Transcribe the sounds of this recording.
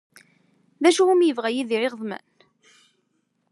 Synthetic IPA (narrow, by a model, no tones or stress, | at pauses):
ðæʃuwumjəvʁæjiðiʕɪʁðˤmæ̰n